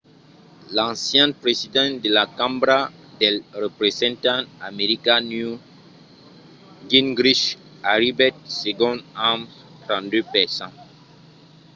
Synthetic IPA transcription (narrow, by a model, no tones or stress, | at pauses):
lãsjɛ̃npɾezid̪ɑ̃ndəlakãmbɾa | dɛlɾəpɾezɛ̃ntãameʁikanu | ɡinɡɾiʃ | aɾibɛt̚seɡɔ̃dãm | tɾɑ̃ndøpɛʁsɑ̃